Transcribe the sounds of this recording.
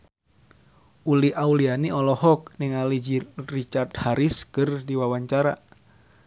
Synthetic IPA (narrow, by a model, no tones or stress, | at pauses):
uliaulianiɔlɔɦɔk̚niŋalid͡ʒirit͡ʃart̪haɾiskɨrdiwawaɲt͡ʃaɾa